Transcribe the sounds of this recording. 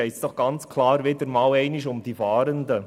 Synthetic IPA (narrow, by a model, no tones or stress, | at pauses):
ɛɪt͡sd̥ɔχɡ̥ɑnt͡skʰlɑːɾʋɪd̪əɾmɑːlɛɪnɪʃʊmd̥ifɑːɾənd̪ə